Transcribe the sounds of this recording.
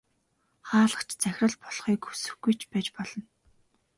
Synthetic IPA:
χaːɮə̆χt͡ɕʰt͡sæxʲrə̆ɮpɔɮχiːkxɵ̥sɵ̆xɡujt͡ɕʰpæːt͡ɕpɔɮɞ̆n

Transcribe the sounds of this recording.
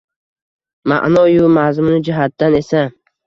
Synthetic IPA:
ma̰ʔnɒjʊmazmʊnɪd͡ʒɪɦat̪ːane̞sa

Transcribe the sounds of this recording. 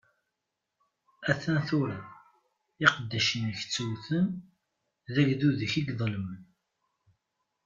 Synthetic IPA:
æθænθuɾæ | eqəd̪ːæʃənəçt͡sːuwθən | ðæʝðuðəçiɡðˤləmən

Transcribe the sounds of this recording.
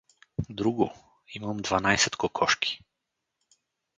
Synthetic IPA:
d̪ɾuɡu | imamd̪vanajsɛt̪kɔkʰɔʃki̥

